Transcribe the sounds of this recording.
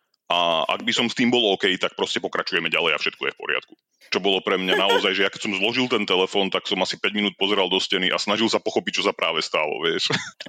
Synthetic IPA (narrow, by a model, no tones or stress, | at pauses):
ʔaa̰ɡ̚bisɔmst̪iːmbɔlɔkɛjt̪ak̚pɾɔscɛpɔkɾat͡ʃujɛmɛɟalɛja̰fʃɛt̪kɔjɛfpɔ̰ɾɪa̰t̪̚ku̥ | t͡ʃɔbɔlɔpɾɛmɲanaɔzajʒɛjakɛcsɔmzlˠɔʒilˠt̪ɛnt̪ɛlɛfɔːnt̪aksɔmasipɛɟminuːt̪̚pɔzɛɾalˠd̪ɔscɛniʔa̰snaʒilˠsapɔxɔpic̚t͡ʃɔsapɾʔaːʋɛst̪alɔ̰ʋɪɛʃ